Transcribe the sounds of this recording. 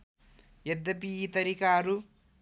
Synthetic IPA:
jed̪ːɐpiːt̪ɐɾikaːɾu

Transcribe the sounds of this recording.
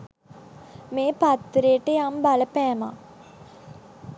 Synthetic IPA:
meːpat̪ːɾejʈəjambaləpæːma̰

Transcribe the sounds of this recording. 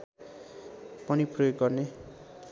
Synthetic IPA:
pʌniprojoɡɡʌrne

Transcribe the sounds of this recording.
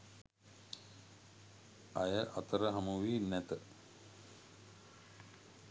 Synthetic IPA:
ajəʔat̪əɾəɦamuʋiːnæt̪ə

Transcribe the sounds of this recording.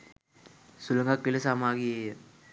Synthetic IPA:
sulɐŋɡaːkːilɐsaːmaːɡie

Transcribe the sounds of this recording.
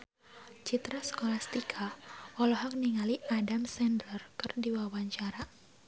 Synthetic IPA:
t͡ʃit̪ɾasə̥kolast̪ikʰaɔlɔɦɔk̚niŋaliʔadamsɛndlərkɨrdiwawaɲt͡ʃaɾa

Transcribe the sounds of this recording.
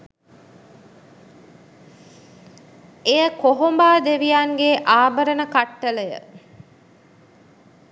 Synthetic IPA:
ejəkoɦombaːd̪eʋijaŋɡeʔaːbəɾənəkaʈːələjə̰

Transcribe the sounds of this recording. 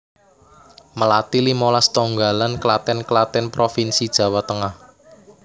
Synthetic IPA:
məlat̪ilimolast̪oŋɡalanklat̪ɛnklat̪ɛnpɾofinsid̥ʒ̥ä̤wat̪əŋah

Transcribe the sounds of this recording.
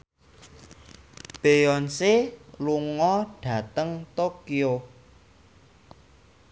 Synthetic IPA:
b̥ejɔnseluŋɔɖ̥ä̤t̪əŋt̪okio

